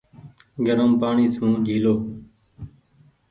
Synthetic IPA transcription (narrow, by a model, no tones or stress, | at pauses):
ɡəɾəmpaːɳiːsʰũːd͡ʒʱiːloː